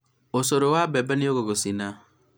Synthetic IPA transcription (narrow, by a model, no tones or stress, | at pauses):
osoɾowabɛbɛnioɣoɣosina